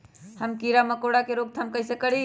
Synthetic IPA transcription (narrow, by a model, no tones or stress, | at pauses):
həmkiɾaməkoɽakeɾoɡ̚t̪ʰamkəɪsekəɽi